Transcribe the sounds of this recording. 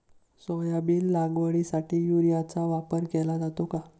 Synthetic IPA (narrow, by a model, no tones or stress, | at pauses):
sɔjabiːllãŋɡʋəɭisaʈʰiːjuɾijat͡saʋapəɾkɛlad͡zat̪oka